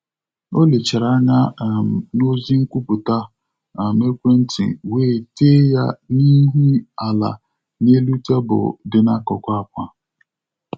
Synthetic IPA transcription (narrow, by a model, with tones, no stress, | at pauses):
o˦le˨t͡ʃe˨ɾa˦ɲa˦˨m˨no˦zi˦ŋ̩˦kʷu˦pʊ˨ta˦ | a˨me˦kʷe˦n̩˦tḭ˨weː˦˨te˦ja˦ni˦ɦu˦a˨la̰˨ | ne˦lu˦ta˦bʊ̰˨dɪ˨na˦kɔ˨kʷa˦a˨kʷa˦